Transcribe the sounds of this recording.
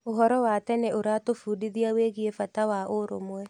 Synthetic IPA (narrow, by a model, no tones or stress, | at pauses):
oɦɔɾɔwatɛnɛʔoɾatofuːdiðiaweːɣiefatawaʔoɾo̰mwɛ